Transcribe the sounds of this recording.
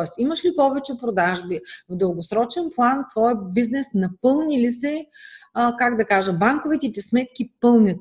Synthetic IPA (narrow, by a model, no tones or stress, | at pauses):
t̪ɛsimɐʃlipɔvɛt͡ʃɛpɾod̪aʒbivd̪ɤlˠɡosɾɔt͡ʃɛnplˠant̪vɔjbiznɛsnɐpɤlˠnʲilisɛ | kaɡd̪ɐkaʒəbaŋkovit̪ɛt̪ɛsmɛt̪̚k̟ipɤlˠnʲət̪